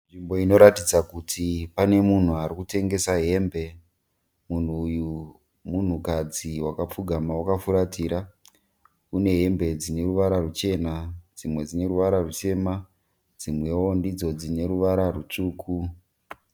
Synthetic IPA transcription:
nʐimbo̞ino̞ɾatid͡zakutʰipane̞mun̤uaɾikute̞ŋɡe̞saɦe̞mbe̞ | mun̤uːju | mun̤ukad͡ziwakap͡fuɡʱamawakafuɾatiːɾa | kune̞ɦe̞mbe̞d͡zine̞ruʋaɾarut͡ʃe̞nad͡zimwe̞d͡zine̞ɾuʋaɾarut͡ʃe̞ma | d͡zimwe̞wondid͡zo̞d͡zine̞ɾuʋaɾarut͡ʂuːkʰu

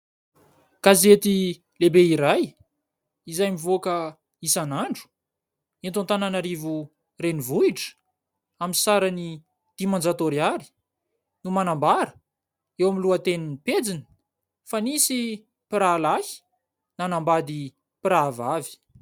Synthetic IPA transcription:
kazet̪i | lebeiɾaj | izajmivokə | isanaɳɖ͡ʐu̥ | ent̪ont̪ananaɾivu | renivuiʈ͡ʂə̥ | aminsaɾani | d̪̥imand͡zat̪oɾiaɾi̥ | numanambaɾə̥ | ewamiluat̪eninped͡zinə̥ | fanisi | piɾalahi̥ | nanambad̪i | piɾavavi̥

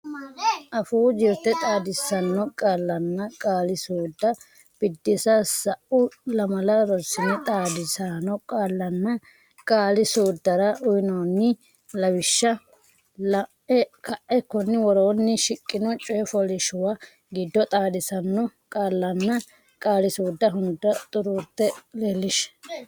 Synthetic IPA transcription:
ʔɐfuːd͡ʒɪɾt̪ːɛt̪ʼaːd̪ɪsɐnːɔkʼaːlːɐnːɐkʼaːlɪsuːd̪ːɐ | b̥ɪd̪ːɪsɐsɐʔʊlɐmɐlɐɾɔsɪnɛt̪ʼaːd̪ɪsanɔkʼaːlːɐnːɐ | kʼaːlɪsuːd̪ːɐɾɐʔʊjɪnoːnːɪ | lɐwɪʃːɐ | lɐʔɛkʰɐʔɛkːɔnːɪwɔɾoːnːɪʃɪkʼːɪnɔt͡ʃʼɔjɛfɔlɪʃʊwa | ɡɪd̪ːɔt̪ʼaːd̪ɪsɐnːɔkʼaːlːɐnːɐ | kʼaːlɪsuːd̪ːɐɦʊnd̪ːɐt̪ʼʊɾuːt̪ːɛlelːɪʃ

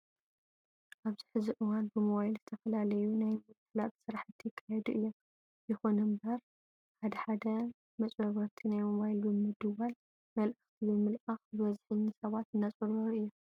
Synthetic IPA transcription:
ʔaβziħɨziʔɨwanbɨmoβajlzɨt̪ʰɐfɐlalɐjunajmɨlkʰɨlat̪sɨɾaħɨt̪ʰːjɪkʰːajɛd̪uʔɨjːom | jɨxonɨmbɐɾ | ħad̪ɐħad̪ɐ | mɐt͡sʼbɐβɐɾt̪ʰinajmoβajlbɨmɨd̪ɨwal | mɐlʔɨxt̪ʰibɨmɨlʔaxbɨβɐzħɨɲːisɐβat̪ɨnːat͡sʼɨɾɐɾʔɨjːo

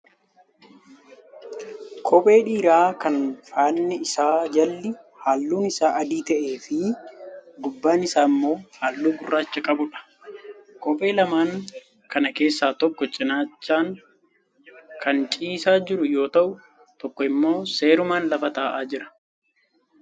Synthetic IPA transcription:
kʰɔpʼe̞ːᶑiːɾaːkɐnfaːnːɪɪsaːd͡ʒɐlːɪ | haːlːuːnɪsaːʔɐd̪iːt̪ɛʔe̞ːfɪ | ɡʊbːaːnɪsaːmːo̞ːhaːlːuːɡʊrːaːt͡ʃːɐkʼɐbʊᶑɐ̥ | kɔpʼe̞ːlɐmaːŋ | kɐnɐke̞ːsːaːt̪ɔkːɔt͡ʃʼɪnaːt͡ʃːaːŋ | kʰɐnt͡ʃʼiːsaːd͡ʒɪɾʊjo̞ːt̪ɐʔʊ | t̪ɔkːɔɪmːo̞ːse̞ːɾʊmaːnlɐfɐt̪aːʔaːd͡ʒɪɾɐ̥

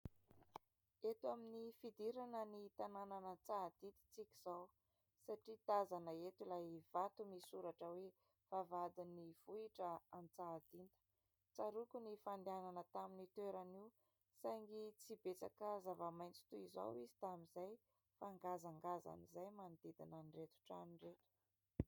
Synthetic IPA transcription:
et̪waminifid̪iɾanənit̪anananət͡sad̪̥id̪i̥t͡sikʲiz̥aw | saʈ͡ʂid̪azanəet̪ulav̥at̪umisuɾaʈ͡ʂəwe | v̥avad̪iniv̥uiʈ͡ʂəamit͡sad̪ind̪ə̥ | t͡saɾukunifand̪eananət̪aminit̪eɾaniw | sajŋɡit͡sibet͡sa̰kəzavamajnt͡si̥t̪uiza̰wizi̥t̪amizaj | faŋɡazaŋɡaza̰nizajmand̪id̪inaniret̪u̥ʈ͡ʂa̰niret̪u̥

